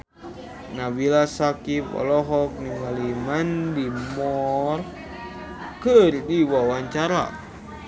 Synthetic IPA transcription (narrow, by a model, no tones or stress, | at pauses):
nabilasakipɔ̰lɔɦɔk̚nimalimandimɔr | kərdiwawaɲt͡ʃaɾa̰